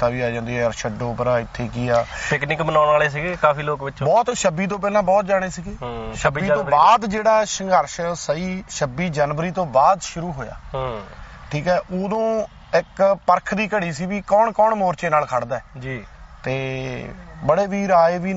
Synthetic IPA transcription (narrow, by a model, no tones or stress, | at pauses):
t̪aːʋiːaːd͡ʒãːnd̪eːɛːəɾʃəɖõːpəɾaːɪt̪ʰːeːkɪːaːpɪknɪkbənaːnaːleːs̬iɡeːkaːfiːloːkbɪt͡ʃõbɔːt̪ʃəbiːt̪̬õːp̬ɛːlãːbɔːt̪̚d͡ʒaːɽ̃eːsiːɡeːʃəbiːõːbaːd̪d͡ʒeːɽaːʃəŋɡəɾʃsəiːʃəbiːd͡ʒaːnʋəɾiːt̪õːbaːd̪ʃʊɾuːɦoːja̰ːɦʈʰiːkɛːʔoːd̪õː | ɪkpəɾkʰd̪iːkəɽiːsiːʋiːkɔːɳkɔːɳmoːɾt͡ʃeːnaːlkʰaɽd̪aːɛːd͡ʒiːt̪eː | bəɽeːʋiːɾaːeːʋiː